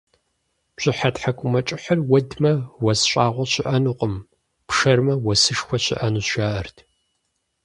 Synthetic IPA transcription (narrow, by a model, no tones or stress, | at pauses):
ɕʼɪħatħakʷʼʊmɐt͡ʃʼɪħɐrwɐdmɐwɐsɕʷʼaːʁʷɔɕɪʔɐnuːqʼəm | pʂɐrmɐwɐsɨʂxʷɔɕɪ̰ʔɐnuːʃaːʔɐrtʰ